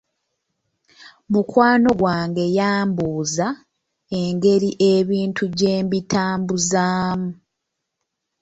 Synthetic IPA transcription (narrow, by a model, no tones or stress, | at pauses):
mukwaːno̞ɡwaːŋɡe̞jaːmbuːza | eŋɡe̞ɾiʔe̞βiːntʰuɟeːmbitʰaːmbuzaːmu